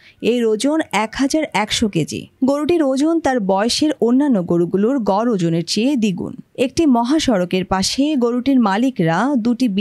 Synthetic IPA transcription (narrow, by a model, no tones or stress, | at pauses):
ejɾod͡ʑonɛkɦad͡ʑaɾɛkʃoked͡ʑḭɡoɾuʈiɾod͡ʑont̪aɾbɔeoʃeɾonːanːoɡoɾuɡuloɾɡɔɾod͡ʑoneɾt͡ɕed̪iɡṵnek̚ʈimɔɦaʃɔɾokeɾpaʃeɡoɾuʈiɾmalikɾad̪uʈib